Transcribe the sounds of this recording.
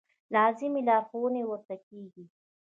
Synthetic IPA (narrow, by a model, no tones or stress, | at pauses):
lɑzɪmilɑːɾxownewəɾt̪akeɡi